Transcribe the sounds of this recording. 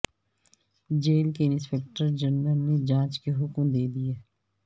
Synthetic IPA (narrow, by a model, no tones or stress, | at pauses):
d͡ʒeːlkeɪnɪspeːk̚ʈəɾd͡ʒəɾnəlned͡ʒãːt͡ʃkeɦʊkmd̪eːd̪ijeː